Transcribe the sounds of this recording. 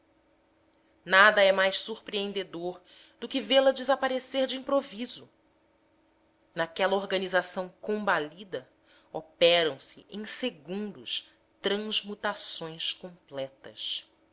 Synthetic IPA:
nad̪ɐɛmajʃsuɾpɾiẽnd̪ed̪oɾ | d̪ʊkɪvelɐd͡ʒɪzapaɾeseɾd͡ʒɪĩpɾovizʊ | nakɛlɐoɾɡɐnizasɐ̃w̃kõbalid̪ɐ | opɛɾɐ̃w̃sɪʔẽj̃seɡũnd̪ʊʃ | t̪ɾɐ̃zmut̪asõj̃skõplɛt̪ɐs

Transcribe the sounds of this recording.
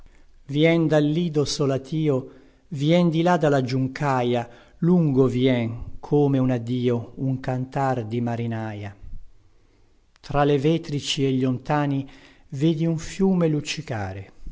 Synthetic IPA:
vjɛnd̪alːiːd̪osolat̪ʰiːo | vjɛnd̪ilad̪alad͡ʒuŋkaja | luŋɡovjɛŋkʰoːmeunad̪iːouŋkant̪ard̪imaɾinaːja | t̪ɾalevɛːt̪ɾit͡ʃieʎːont̪aːni | veːd̪iuɱfjuːmelut͡ʃːika̰ːɾe

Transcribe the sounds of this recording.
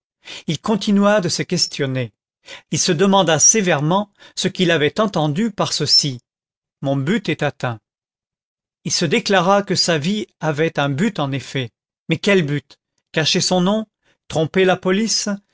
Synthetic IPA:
ilkɔ̃t̪inɥad̪əsəkʲɛst̪ʰjɔne | ilsəd̪əmɑ̃d̪asevɛʁmɑ̃səkʲilavɛt̪ɑ̃t̪ɑ̃d̪ypaʁsəsi | mɔ̃byt̪ɛt̪at̪ɛ̃ | ilsəd̪eklaʁakəsaviavɛt̪ɛ̃byt̪ɑ̃nefɛ | mɛkʲɛlbyt̪ | kaʃesɔ̃nɔ̃ | t̪χɔ̃pelapɔlis

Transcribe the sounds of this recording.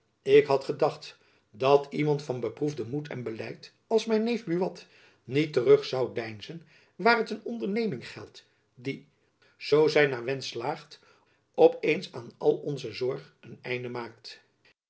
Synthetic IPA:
ɪkɦɑtχədɑχt | dɑtimɑntfɑnbəpruvdəmutʰɛ̰nbəlɛjt | ɑlˠsmɛjnːejvbyʋɑt | nitərɵχsɑwdɛjnzən | ʋaːɹɦətənɔndəɹnejmɪŋχɛ̰lˠt | di | z̥owzɛjnaːɹʋɛnslaːχt | ɔpejnsaːnɑ̰lˠɔnzəzɔɹχ | ənɛjndəmaːk̚t

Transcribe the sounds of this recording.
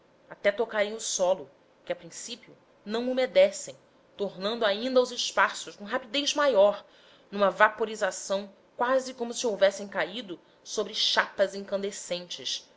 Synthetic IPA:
at̪ɛt̪okaɾẽj̃ʊsɔlʊ | kɪapɾĩsipiʊ | nɐ̃w̃ʊmed̪ɛsẽj̃ | t̪oɾnɐ̃nd̪ʊaĩnd̪ɐawzɪʃpasʊʃkõɦapid̪ejzmajɔɾ | nũmɐvapoɾizasɐ̃w̃ | kwazɪkõmʊsiowvɛsẽj̃kaid̪ʊ | sobɾɪʃapɐzẽŋkɐ̃nd̪esẽnt͡ʃɪʃ

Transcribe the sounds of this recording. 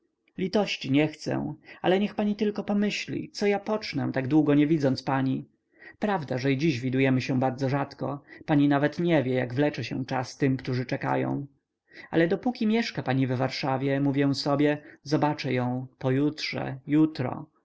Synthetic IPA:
lʲit̪ɔɕt͡ɕiɲɛxt̪sɛ̰w̃a̰lɛɲɛxpaɲit̪ɘlkɔpɔmɘɕlʲḭt̪sɔjapɔt͡ʂnɛ̰̃t̪aɡd̪wuɡɔɲɛvʲid̪zɔnt̪spaɲi | pɾavd̪aʐɛid͡ʑiʑvʲid̪ujɛmɘɕɛ̃baɾd̪zɔʐat̪kɔpaɲinavɛt̪ɲɛvʲjɛja̰ɡvlɛt͡ʂɛɕɛ̰̃t͡ʂast̪ɘmkt̪uʐɘt͡ʂɛka̰jɔ̰̃w̃ | a̰lɛd̪ɔpukʲimʲjɛʂkapaɲivːaɾʂavʲjɛmuvʲjɛw̃sɔbʲjɛzɔbat͡ʂɛjɔ̃w̃pɔjutʂɛ̰jut̪ɾɔ̰

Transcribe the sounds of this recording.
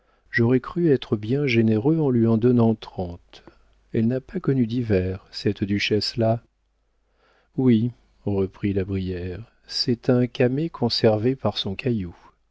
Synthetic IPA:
ʒɔʁɛkχyɛt̪χəbjɛ̃ʒeneʁøɑ̃lɥiɑ̃d̪ɔnɑ̃t̪χɑ̃t̪ | ɛlnapakɔnyd̪ivɛʁsɛt̪d̪yʃɛsla | wi | ʁəpχilabʁijɛʁ | sɛt̪ɛ̃kamekʰɔ̃sɛʁvepaʁsɔ̃kʰaju

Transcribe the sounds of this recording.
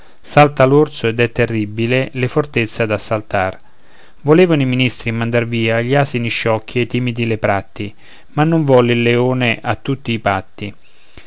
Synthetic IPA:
salt̪alort̪soed̪ɛt̪ːerːibːilelefort̪et̪sːad̪asːalt̪ar | voleːvanoiminist̪ɾimand̪arviːaʎːiaːsiniʃːɔkʰːiet̪ːimid̪ilepɾat̪ːi | manːoɱvɔlːilːeoːneʔat̪ːut̪ːiːpat̪ːi

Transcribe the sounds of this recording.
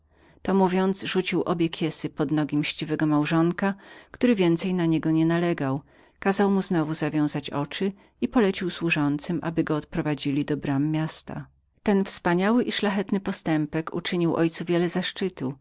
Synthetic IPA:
t̪ɔmuvʲjɔnt̪sʐut͡ɕiwʔɔbʲjɛkʲʰjɛsɘpɔd̪nɔɡʲimɕt͡ɕivɛɡɔmawʐɔŋkakt̪uɾɘvʲjɛnt̪sɛjnaɲɛɡɔɲɛnalɛɡaw | kazawmuznɔvuzavʲjɔ̃w̃zat͡ɕɔt͡ʂɘ | ipɔlɛt͡ɕiwswuʐɔnt̪sɘmʔa̰bɘɡɔːt̪̚pɾɔvad͡ʑilʲid̪ɔbɾamːjast̪a̰ | t̪ɛnfspaɲawɘʔiʂlaxɛt̪nɘpɔst̪ɛmpɛkṵt͡ʂɘɲiwʔɔjt̪suvʲjɛlɛzaʂt͡ʂɘt̪u

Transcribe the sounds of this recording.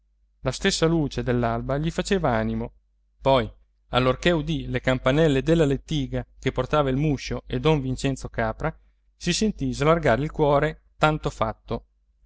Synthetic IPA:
last̪esːaluːt͡ʃed̪elːalbaʎifat͡ʃeːvaaːnimo | pɔj | alːorkeud̪ilekampanɛlːed̪elːalet̪ːiːɡakeport̪aːvailmuʃːoed̪ɔɱvint͡ʃɛnt̪sokaːpɾa | sisent̪izlarɡaːɾilkwɔːɾet̪ant̪ofat̪ːo

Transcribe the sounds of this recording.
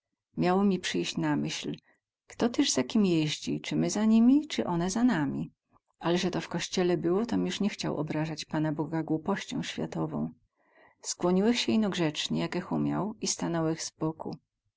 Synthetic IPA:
mʲjawɔmʲipʂɘjɕt͡ɕnamɘɕl | kt̪ɔt̪ɛʐzakʲimʲjɛʑd͡ʑit͡ʂɘmɘzaɲimʲit͡ʂɘʔɔnɛzanamʲi | alɛʐɛt̪ɔfkɔɕt͡ɕɛlɛbɘwɔt̪ɔmʲjuʂɲɛxt͡ɕa̰wʔɔ̰bɾaʐat͡ɕpan̪abɔɡaɡwupɔɕt͡ɕɔ̰̃w̃ɕfʲja̰t̪ɔvɔ̰̃w̃ | skwɔɲiwɛxɕɛinɔɡʐɛt͡ʂɲɛjakɛxumʲja̰wist̪anɛwɛɣz̥bɔkṵ

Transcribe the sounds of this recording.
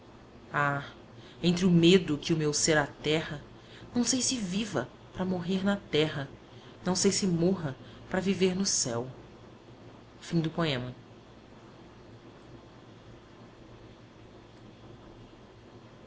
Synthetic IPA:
a | ẽnt̪ɾɪʊmed̪ʊkɪʊmewseɾat̪ɛhɐ | nɐ̃w̃sejsɪvivɐ | pɾɐmoɦeɾnɐt̪ɛɦɐ | nɐ̃w̃sejsɪmoɦɐ | pɾɐviveɾnʊsɛw | fĩd̪ʊpoẽmɐ

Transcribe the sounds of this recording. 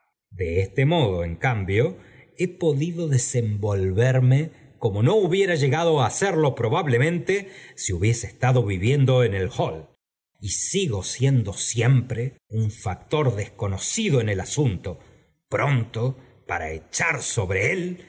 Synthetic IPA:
d̪eest̪emo̞ðo̞eŋkambjoe̞po̞ðiðo̞ðesembo̞lβeɾme | ko̞mo̞no̞uβje̞ɾaʒe̞ɣaðo̞aːseɾlo̞pɾo̞βaβlemẽnt̪esiuβje̞seːst̪aðo̞βiβje̞nd̪o̞enelxol | isiɣo̞sje̞nd̪o̞sjempɾeuɱfak̚t̪o̞ɾðesko̞nosiðoenelasunt̪o | pɾo̞nt̪o̞ | paɾa̰et͡ʃaɾso̞βɾeel

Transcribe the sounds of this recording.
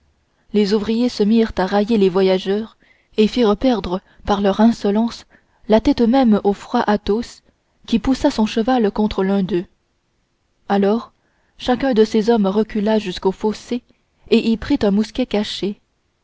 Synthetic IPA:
lezuvʁijesəmiʁt̪aʁajelevwajaʒœːʁ | efiːʁəpɛʁd̪ʁə | paʁlœʁɛ̃sɔlɑ̃s | lat̪ɛt̪mɛmofχwaʔat̪os | kʲipusasɔ̃ʃəvalkɔ̃t̪χəlœ̃d̪ø | alɔːʁ | ʃakʲɛ̃d̪əsezɔmʁəkʲylaʒyskofose | eʔilpχit̪ɛ̃muskʲɛkaʃe

